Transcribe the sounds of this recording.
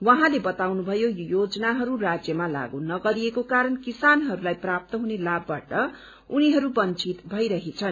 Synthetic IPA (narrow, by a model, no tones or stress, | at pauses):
waɦãlebʌt̪awnubʱʌjojod͡zʌnaɦʌɾurad͡zjʌmala̰ɡunʌɡʌɾiekokaɾʌnkisanɦʌɾulajprap̚t̪ʌɦunelabːaʈʌ | uniɦʌɾubʌnt͡sit̪bʱʌjɾʌɦet͡sʰʌn